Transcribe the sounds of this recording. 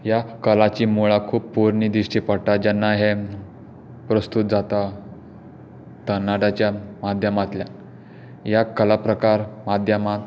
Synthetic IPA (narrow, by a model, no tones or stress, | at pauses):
jakəlat͡ɕiːmuɭakʰuːppuɾnid̪iɕʈiːpəɽʈ̪ad͡ʑanːaɦe | pɾəst̪ut̪̚d͡zat̪a | t̪ənːaɖat͡ɕjamad̪ʱjəmat̪lja | jakəlapɾəkaɾmad̪ʱjəmat̪